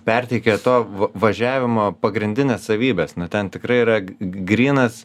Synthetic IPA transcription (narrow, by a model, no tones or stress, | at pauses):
pʲɛrʲt̪ʲeɪkʲet̪oːʋɐʋɐʒʲæːʋʲɪmoːpɐɡɾʲɪnʲd̪ʲɪnʲeːssɐʋʲiːbʲeːsnʊt̪ʲɛnt̪ʲɪkɾɐɪiɾɐɡɾʲiːnɐs